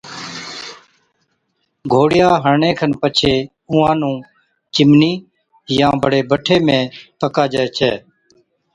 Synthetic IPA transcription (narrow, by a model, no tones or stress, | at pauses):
ɡʱoːɽɪjaːɦəɾɳẽːkʰənpət͡ʃʰeː | ʊ̃ːãːnũː | t͡ʃɪmniː | jãːbʱəɽeːbəʈʰeːmẽːpəkaːd͡ʒɛːt͡ʃʰɛ̰ː